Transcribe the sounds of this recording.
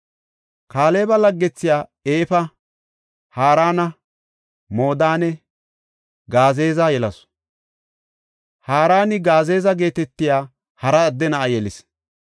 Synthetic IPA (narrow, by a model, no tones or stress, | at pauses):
kaːleːbɐlɐɡːɛt͡sːɪjaːeːfɐ | haːɾaːnɐ | moːd̪aːnɛ | ɡaːze̞ːzajɛlɐs | haːɾaːnɪɡaːze̞ːzɐɡe̞ːt̪ɛt̪ːɪjaː | hɐɾɐːd̪ːɛnɐɐjɛlɪs